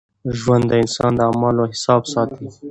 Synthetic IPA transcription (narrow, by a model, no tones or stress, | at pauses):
ʒwand̪ːəɪnsɑnd̪əamɑloɦɪsɑːbsɑt̪i